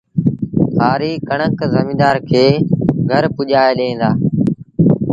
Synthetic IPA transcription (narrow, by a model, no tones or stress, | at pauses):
sʰaːɾiːkəɳ̃əkzəmĩːd̪aːɾkʰeːɡʱəɾpʊʄaːeɗẽːnd̪aː